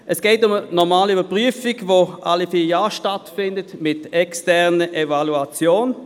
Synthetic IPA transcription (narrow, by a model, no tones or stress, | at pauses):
ʔɛsɡ̥ɛːtʊmənɔʁmaːliybəɐpʁyəfɪɡvoʔalifiːjaːʃtatfɪndətmɪtɛkstɛʁnəʔevaluat͡sjoːn